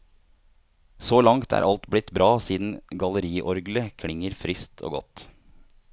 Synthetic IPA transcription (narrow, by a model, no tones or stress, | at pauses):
soːlɑŋt̪ʰæ̰ːɾʔɑlt̪blɪt̪bɾɑːsiːd̪n̩ɡɑləɾiːʔɔɾɡləkʰlɪŋəɾfɾɪst̪ʰo̰ːɡɔ̰t̪